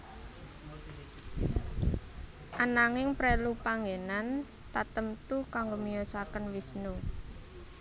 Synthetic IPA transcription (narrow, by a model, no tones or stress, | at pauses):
ʔanaŋɪŋpɾɛlupaŋɡenan | t̪at̪əmt̪ukaŋɡomijɔsakənwisnu